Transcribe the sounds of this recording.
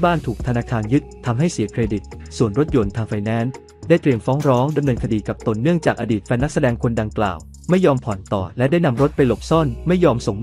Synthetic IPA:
baː˥˩nt̪ʰuː˨˩k̚t̪ʰa˧naː˧kʰaː˧njɯ˦˥t̪̚ʰːa˧mɦa˥˩jsi˨˩˦əkʰɾeː˧di˨˩t̪̚ | su˨˩ənɾo˦˥t̪̚jo˧nt̪ʰaː˧ŋfaː˧jnɛː˦˥n | daː˥˩jt̪ɾi˧əmfɔː˦˥ŋɾɔː˦˥ŋda˧mnɤː˧nkʰa˧diː˧ka˨˩p̚t̪o˧nːɯ˥˩əŋt͡ɕaː˨˩k̚ʔaː˧diː˨˩fɛː˧˥nːa˦˥k̚sa˧dɛː˧ŋkʰo˧nda˧ŋkla̰ː˨˩w | ma˥˩jːɔː˧mpʰɔ˨˩˦nt̪ɔ̰ː˨˩lɛ˦˥daː˥˩jna˧mɾo˦˥t̪̚pa˧jlo˨˩p̚sɔ˥˩nma˥˩jːɔː˧mso˨˩ŋm

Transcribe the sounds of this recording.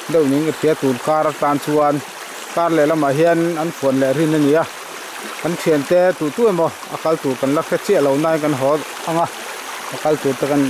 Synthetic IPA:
dɛ˦˨wni˨˦ŋa˧t̪i˧˦a˦t̪u˨nka˦˧ɾa˧t̪aː˧nt͡su˧ə˧n | ka˦˧rlɛ˨la˧ma˨ɦi˦ana˦nfʰu˨ənlɛ˨ʔɾi˦˨nːa˧ni˨a˦˨ | ka˧˦nt̪ʰi˧˨ə˨nt̪ɛ˦t̪u˨t̪u˥˦ɛ˨mɔ˧˨ | a̰˨ka˧lt̪u˨ka˨nla˦kʰɛ˦t̚t͡si˦˨ʔlo˨wnaː˧˦jka˨˦nɦɔ˨˦t̪̚ | a˧ŋa˧˨ | a˧˨ka˧lt̪u˨t̪ɛ˧ka˧n

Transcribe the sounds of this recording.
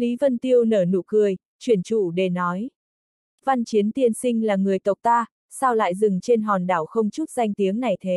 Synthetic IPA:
li˨˦və˧nt̪i˧əwnəː˧˩nṵ˧˩kɨ˧˩əj | t͡ɕwi˧˩ənt͡ɕṵ˧˩ɗe˨˩nɔ˨˦j | va˧nt͡ɕi˨˦ənt̪i˧ənsï˧ŋ̟laː˨˩ŋɨ˨˩əjk̪ə˨˩wk͡p̚t̪aː˧ | saː˧wla̰ː˧˨jzɨ˨˩ŋt͡ɕe˧nɦɔ˨˩nɗaː˧˩wxə˧wŋ͡mt͡ɕu˦˥t̚za˧jŋ̟t̪i˨˦əŋna˨˩jt̪ʰe˨˦

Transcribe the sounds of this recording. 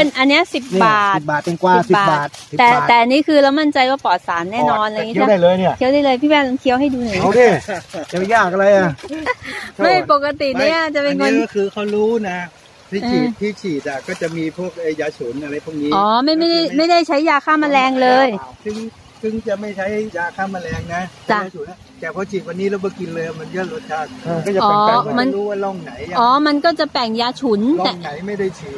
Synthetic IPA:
pe˧nʔa˧nːi˦˥ɐsi˨˩p̚baː˨˩it̪̚baː˨˩t̪̚pe˧nkwaːsspi˨baː˨batːt̪̚st̪ɛː˨˩˨ɛː˨˩ʔa˧nːiː˦˥kʰɯː˧ɾa˧wma˥˩nt͡ɕa˧jwaː˥˩pɔː˨˩t̪̚saː˩˦nːɛː˥˩nɔː˧nʔa˧˨˧ŋiː˦˧˥a˧˥a˥˩jlɤː˧jni˥˩ɐʔʰi˦˥ə˧wda˥˩jlɤː˧jpʰiː˥˩pɛː˥˩nla˧ŋk̪ʰi˦˥əwɦa˥˩jduː˧n˨˩˧keː˧˩t͡ɕa˨pe˧njaː˥˩k̚ʔa˧ɾa˧jʔa˨˩ | ma˥˩hjpo˨˩ka˧t̪i˨˩niː˦˧˦ʔa˧˩t͡ɕa˨˩pe˧nkʰo˧nɔ˧˩kʰɯː˧kʰa˦˥wɾuː˦˥na˦˥ | t̪ʰiː˦˥˩ʔt͡ɕʰiː˧˨˩t̪ʰːiː˥˩t͡ɕʰiː˨˩t̪̚a˨˩kɔː˥˩t͡ɕa˨˩ʔmiː˧pʰu˥˩ək̚ʔa˧˥˩jjaː˧t͡ɕʰu˩˦nʔa˧ɾa˧jpʰu˥˩ə˩kniː˦ʔɔː˨˩˦ma˥˩jma˥˩jda˥˩jma˥˩jda˥˩jt͡ɕʰa˦˥jːaː˧kʰaː˥˩ma˧lɛː˧ŋlɤː˧jsɯ˥˩ŋ | sʰɯ˥˩ŋt͡ɕa˨˩ma˥˩jt͡ɕʰa˦˥jjaː˧kʰaː˥˩ma˧lɛː˧ŋna˦˥t͡ɕa˧˩aː˧˩t͡ɕʰu˨˩˦na˧ | t̪ɛː˨˩pʰɔː˧˥t͡ɕʰiː˨˩t̪̚wa˧nːiː˦˥la˧˦˩bɔ˧˩ki˧nlɤː˧ja˨˩ma˧nkɯː˥˩ɾo˦˥˩t̪̚t͡ɕʰa˦˥˩k̚kɔː˥˩t͡ɕa˨˩ʔɔː˧˩˦ma˧nɾuː˦˥waː˥˩lɔ˥˩ŋna˩˦ja˧˨ʔɔː˨˩˦ma˧nkɔː˥˩t͡ɕa˨˩pɛ˨˩ŋjaː˧t͡ɕʰu˩˦n˧t̪ɛ˨˩a˩˦jma˥˩jda˥˩jt͡ɕʰiː˨˩t̪̚

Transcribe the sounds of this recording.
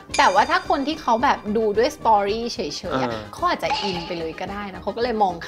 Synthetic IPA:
t̪ɛː˨˩waː˥˩t̪ʰaː˥˩kʰo˧nt̪ʰiː˥˩kʰa˦˥wbɛː˨˩p̚duː˧du˥˩əjst̪ɔː˧ɾiː˥˩t͡ɕʰɤ˨˩˦jt͡ɕʰɤː˨˦jʔa̰˨˧˩kʰa˦˥wʔaː˨˩t͡ɕa˨˩ʔi˧npa˧jlɤː˧jkɔː˥˩daː˥˩jna˦˥kʰa˦˥wkɔː˥˩lɤː˧jmɔː˧ŋkʰ

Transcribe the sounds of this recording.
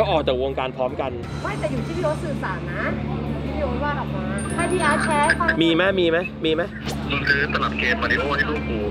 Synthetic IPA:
kɔː˥˩ʔɔː˨˩t͡ɕɛː˨˩woː˧ŋkaː˧npʰɔː˦˥mka˧n | ma˦˥˩t̪ɛː˨˩juː˨˩t̪ʰiː˦˥˩pʰi˧ʔo˦˥t̪sɯː˨˩saː˨˩˦nnːa˦˥uː˨˩t̪ʰiː˥˩pʰi˧˩˧oː˦˥waː˥˩la˨˩p̚maː˧a˧di˧jaː˧t͡ɕʰɛː˦˥ka˧˩miː˧ma˦˥miː˧ma˦˥jmiː˧ma˦˥jmiː˧nkʰɯː˧˩t̪a˧la˨˩p̪̚keː˧mpa˧i˦˥pʰuː˥˩t̪̚ʰa˥˩luː˥˩k̚uː˧

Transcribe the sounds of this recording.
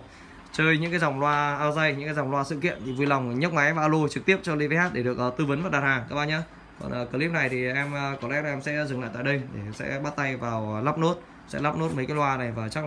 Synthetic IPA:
t͡ɕəː˧jɲɨ̰˧˥ŋkaː˨˦jza˨˩wŋ͡mlwaː˧ʔaː˧wzə˧jɲɨ̰˧˥ŋkaː˨˦za˨˩wŋ͡mlwaː˧sɨ̰˧˨kḭ˧˨ənt̪ʰi˨˩vu˧˩jla˨˩wŋ͡mɲə˦˥t̚ma˨˦jvaː˨aː˧wlo˧t͡ɕɨ˨˩k̚t̪i˦˥əp̚t͡ɕɔ˧lḭ˧˦və˨˧˦ha˦˥t̚ɗe˧˩ɗɨ˨˩ək̚ʔəː˨˩t̪ɨ˧və˨˦nva˨˩ɗaː˨˩haː˨˩ŋkaː˦˥ɓa̰ː˧˩ɲaː˧ | kɔ̰˨˩nʔəː˨˩kɨ˧˩li˦˥p̚na˨˩jt̪ʰi˨˩ʔɛ˧mə˧kɔ˨˦lɛ̰˧˥laː˨˩ʔɛ˧msɛ̰˧˥˧zɨ˨˩ŋla̰ː˧˨jt̪a̰˧˨ɗə˧jɗ̪ʰe˧˩sɛ̰˧˥ɓaː˦˥t̚t̪a˧jvaː˨˩wlaː˦˥p̚no˦˥t̚ | sɛ̰˧˥laː˦˥p̚no˦˥t̚mə˨˦jkaː˨˦jlwaː˧na˨˩jvaː˨˩t͡ɕa˦˥k

